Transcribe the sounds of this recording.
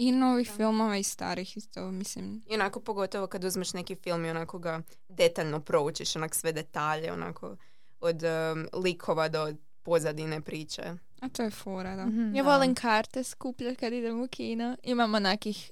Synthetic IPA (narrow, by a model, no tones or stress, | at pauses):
inoʋixfilˠmoʋaist̪a̰ːɾixit̪omislimionakopoɡo̞t̪oʋokad̪uzmeʃnekifilˠmionakoɡa | d̪e̞t̪aʎnopɾo̞ut͡ʃiʃonako̥sʋe̞d̪e̞t̪aːʎeo̰na̰kʰo̰ | od̪likʰoʋad̪o | po̞zad̪inepɾiːt͡ʃḛ | at̪ojefoɾad̪ajaʋolˠimkʰaɾt̪eskupʎat̪kad̪id̪emukʰiːnuimamonakix